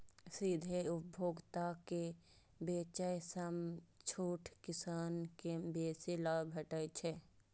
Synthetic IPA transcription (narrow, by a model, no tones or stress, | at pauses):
sid̪ʱeʊpbʱoːɡt̪ake | beːt͡ʃəjsəmt͡ʃʰuːʈʰkɪsaːnkebeːselaːbʱəʈəjt͡ʃʰɛ